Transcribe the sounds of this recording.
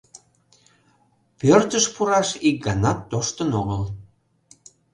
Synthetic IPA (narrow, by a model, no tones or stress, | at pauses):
pørt̪əʃpuɾɑʃik̚ɡɑnɑt̪ːoʃt̪ənoɣəl